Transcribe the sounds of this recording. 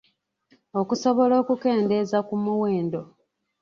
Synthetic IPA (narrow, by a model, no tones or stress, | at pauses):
okuso̞βo̞lo̞ːkuke̞ːnde̞zakumuwe̞ːndo̞